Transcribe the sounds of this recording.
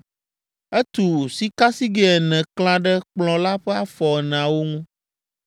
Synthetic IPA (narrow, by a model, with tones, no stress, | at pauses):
ɛ˦t̪u˨si˦ka˦si˦ɡɛ˦ɛ˨nɛ̃˨klã˦ɖɛ˦k͡plɔ̃˨la˦ɸɛ˦a˦fɔ˨ɛ˨ñ˨ã˨wo˦ŋũ˦